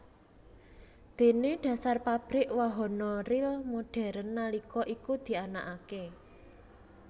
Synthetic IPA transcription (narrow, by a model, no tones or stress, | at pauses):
d̪̥e̤neɖ̥ä̤sarpab̥ɾɪʔwaɦɔnɔrɪlmoɖ̥ɛ̤ɾənːalikɔʔikud̪̥i̤anaʔake